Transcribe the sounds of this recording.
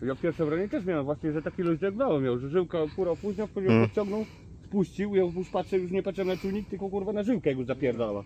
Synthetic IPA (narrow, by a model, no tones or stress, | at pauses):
jafpʲɛɾfʂɛmɾɔɲɛt̪ɛʂ̬mʲawɛmvwaɕɲɛʐɛt̪akʲiluzd̪ɛɡnawɛmʲjãwʐɛʐɘwkakuɾapuʑɲɔ̃fpɔd͡ʑɛwpɔt̪̚t͡ɕɔ̃ŋɡnɔw | spuɕt͡ɕiwjɔ̃uʂpatʂɛjuʂ̬ɲɛpat̪t͡ʂɛmnat̪uɲik̚t̪ɘlkɔɡuɾvanaʐɘwkajɛɡɔzapʲjɛɾd̪awa̰